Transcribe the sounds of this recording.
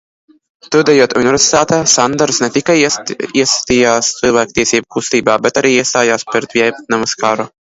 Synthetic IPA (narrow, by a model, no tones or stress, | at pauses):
t̪ud̪ɛjuɔt̪unʲivʲɛɾʲsi̥t̪aːt̪ɛsand̪aɾsnɛt̪ʲikajiɛsḁt̪iːjaːst̪sɨlˠvʲæːkt̪iɛsʲiːbukust̪iːbaːbʲɛt̪aɾiːiɛst̪aːjaːspʲɛɾt̪vʲiɛjpt̪namuskaɾu